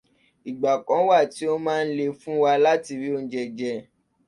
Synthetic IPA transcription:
i˨ɡ͡ba˨kɔ̃˨˦wa˦˨ti˨˦o˦mãː˦˧n̩˦le˧fũ˦wa˧la˦ti˧ɾi˨˦o˦˧n̩˦d͡ʒɛ˨d͡ʒɛ˧

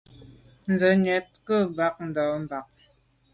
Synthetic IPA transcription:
n̩˨d͡zə˨˦ɲɛ˨˦t̚kə˦˨ba˨˦k̚n̩˨dɔ˨˦m̩˨ba˨k̚

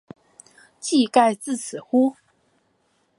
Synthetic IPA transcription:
t͡ɕi˥˧ka˥˧ɪt͡sɹ̩˥˩t͡sʰɹ̩˨˩xu˦

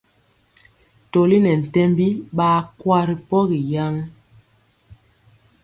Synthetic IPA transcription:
to˨li˦nɛ˨n̩˨tɛ˦mbi˦ɓaː˦kwa˦ɾi˨pɔ˦ɣi˨ja˦ŋ

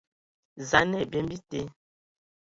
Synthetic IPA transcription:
za˨nɛ˦˨be˦mbi˦te˦

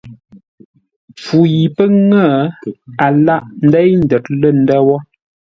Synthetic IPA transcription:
p͡fu˨ji˨pə˦ŋə˦˨a˨la˦ʔn̩˦dɛ˦jn̩˨də˨t̚lə˦˨n̩˦dɛ˦wɔ˦

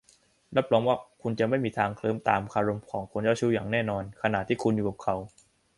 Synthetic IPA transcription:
ɾa˦˥p̚ɾɔː˨˦˥mwaː˥˩kʰu˧nt͡ɕa˨˩ma˥˩jmiː˧t̪ʰaː˧ŋkʰlɤː˧˥˨mt̪aː˨mkʰaː˧ɾo˧mkʰɔː˩˦ŋkʰo˧nt͡ɕaː˥˩t͡ɕʰuː˦˥˩jaː˨˩ŋnɛː˥˩nɔː˧nkʰa˧naː˨˩t̪ʰːiː˥˩kʰu˧njuː˨˩ka˨˩p̚kʰa˨˦w

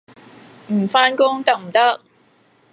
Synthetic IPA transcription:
m̩˨˩faː˥nkʊ˥ŋt̪ɐ˥k̚m̩˨˩t̪ɐ˥k̚

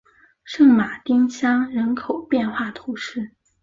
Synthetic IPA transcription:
ʂɤ˥˩ŋma˨˩t̪i˥ŋɕʰjɑ˥ŋɻə˧˥nkʰo˨˩ʊpjɛ˥˧nxwa˥˩t̪ʰu˧˥ʂɻ̩˥˩

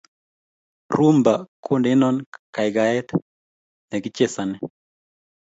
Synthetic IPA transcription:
ɾu˦mba˨kʰʊ˦ndɪ˦nɔ˦nka˨ɪ˨ɡa˨ɛ˦t̪ | nɛ˨ɡɪ˦t͡ʃe˦sa˨nɛ˦

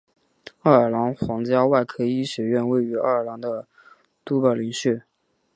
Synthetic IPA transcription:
a˥˩ə˞˨˩lɑ˧˥ŋxwɑ˧˥ŋt͡ɕja˥wa˥˩ɪkʰɤ˥i˥ɕɥɛ˨˩ɥɛ˥˧nwe˥˩ɪy˧˥a̰˥˧˩ə˞˨˩lɑ˧˥ŋd̪ə˧ | t̪u˥pa˥˩li˧˥ŋɕy˥˩

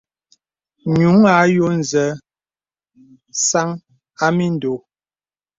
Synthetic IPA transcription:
ɲu˨˦ŋa˨˦jo˦n̩˨zɛ˨˦ | sa˦ŋ | a˦mi˦n˨do˨˦

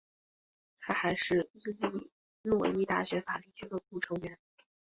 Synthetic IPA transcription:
t̪ʰa˥xa˧˥ɪʂɻ̩˥˩t͡s̩˥˧t͡ɕi˥˩˨ | nwɔ˥˩i˥t̪a˥˩ɕɥɛ˧˥fa˨˩li˥˩t͡ɕʰy˧˥d̪ə˩ku˥˩ʈ͡ʂʰɤ˧˥ŋɥɛ˧˥n

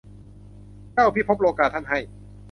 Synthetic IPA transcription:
ka˥˩wpʰiː˥˩pʰo˦˥p̚loː˧kaː˧t̪ʰːa˥˩nɦa˥˩j

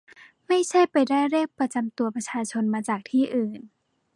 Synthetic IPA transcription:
ma˥˩jt͡ɕʰa˥˩jpa˧jdaː˥˩jɾeː˥˩k̚pɾa˧t͡ɕa˧mt̪u˧ɐpɾa˧t͡ɕʰaː˧t͡ɕʰo˧nmaː˧t͡ɕaː˨˩k̚t̪ʰiː˥˩ʔɯː˨˩n

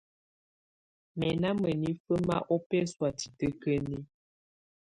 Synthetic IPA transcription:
mɛ˨na˦mə˨ni˦fə˦ma̰˦ʔɔ˦pɛ˦swa˨ti˨tə˦kə˦ni˦

